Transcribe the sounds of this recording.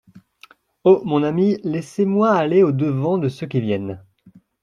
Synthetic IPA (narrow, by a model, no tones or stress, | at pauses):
omɔ̃namilɛsemwaːleod̪əvɑ̃d̪əsøkʲivjɛn